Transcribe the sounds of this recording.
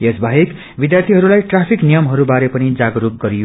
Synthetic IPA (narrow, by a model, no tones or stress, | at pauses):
jesbʱaɦik | bid̪jart̪ʰiɦʌɾulajʈrapʰiknijʌmɦʌɾubaɾepʌnid͡zaɡɾuk̚ɡʌɾij